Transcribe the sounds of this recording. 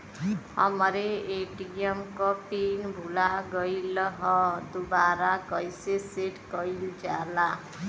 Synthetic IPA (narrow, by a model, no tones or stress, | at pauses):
hʌ̰mʌɾeeʈiemkʌpinbʱulaɡʌjlʌɦʌd̪ubaɾakʌjseseʈkʌjld͡ʒa̰la